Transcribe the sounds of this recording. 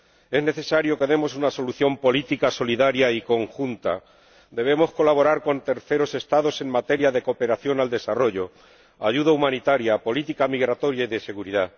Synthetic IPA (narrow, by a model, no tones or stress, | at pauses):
e̞zne̞θe̞saɾjo̞keðe̞mo̞s̬unaso̞luθjo̞mpo̞lit̪ikaso̞liðaɾjaiko̞ŋxunt̪a̰ | d̪e̞β̞e̞mo̞sko̞laβ̞o̞ɾaɾko̞nt̪e̞ɾθe̞ɾo̞se̞st̪aðo̞se̞ŋmat̪e̞ɾjaðe̞ko̞pe̞ɾaθjo̞nald̪e̞saro̞ʝo̞ | aʝuðaumãnit̪aɾjapo̞lit̪ikamiɣɾat̪o̞ɾjaiðe̞se̞ɣuɾiða